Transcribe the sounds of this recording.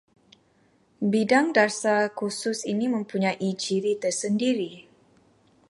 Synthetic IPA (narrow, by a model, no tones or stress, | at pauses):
bidaŋdarsakusʊsinimə̃mpuɲajʔid͡ʒiɾit̪ərsəndiɾi